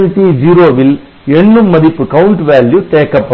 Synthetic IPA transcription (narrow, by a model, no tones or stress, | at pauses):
nʈid͡ʒiːɾoːʋɪl | ɛɳːɯmːɐðɪpːɯkɐʊɳʈʋaːljut̪eːkːɐpːɐ